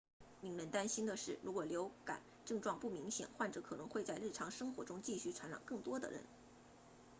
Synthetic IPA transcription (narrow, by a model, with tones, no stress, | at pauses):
mi˧˥ŋɻə˧˥nt̪a˥nɕi˥nd̪ə˨ʂɻ̩˥˩ɻu˧˥kwɔ˨˩ljo˧˥ʊka̰˨˩˦n | ʈ͡ʂɤ˥˧ŋʈ͡ʂwɑ˥˧ŋpu˥˩mi˧˥ŋɕjɛ̰˨˩nxwa˥˩nʈ͡ʂɤ˧˥kʰɤ˨˩nɤ˧˥ŋxwe˥˧ɪt͡sa˥˧ɪɻ̩˥˩ʈ͡ʂʰɑ˧˥ŋʂɤ˥ŋxwɔ˧˥ʈ͡ʂʊ˥ŋt͡ɕi˥˧ɕy˥˩ʈ͡ʂʰwa˧˥nɻɑ̰˨˩ŋkɤ˥˩ŋt̪wɔ˥d̪ə̰˨ɻə̰˧˥n